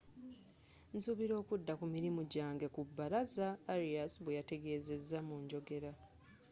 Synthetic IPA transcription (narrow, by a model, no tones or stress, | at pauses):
nsuβiɾo̞ːkudːakumiɾimuɟaːŋɡe̞kubːaɾazaːɾiasβwejate̞ɡe̞ːze̞zːamuɲɟo̞ɡe̞ɾa